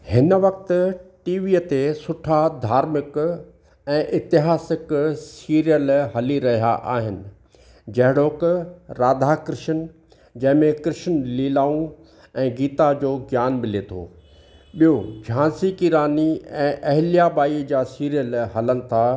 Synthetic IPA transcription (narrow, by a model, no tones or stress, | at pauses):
hɪnəʋɐk̚t̪ʊ̆ʈiːʋiːət̪esʊʈʰad̪ʱaːɾmɪk | ɛ̃ːʔɪt̪ɪɦaːsɪksiːɾijəlɦɐliɾɐɦija̰ʔaːɦɪnɪ̆ | d͡ʑɐɦɪɽoːkɾaːd̪ʱakɾɪʃənɪ̆ | d͡ʑɐ̃ɦɪ̃mẽkɾɪʃənliːlaːũ | ɛ̃ːɡiːt̪ad͡ʑoːɡjaːnmɪlet̪ʰo̰ː | ɓijod͡ʑʱãːnsikiɾaːniɛ̃ːʔɐɦɪlijaɓaːid͡ʑaːsiːɾijəlɦɐlənɪ̆t̪ʰaː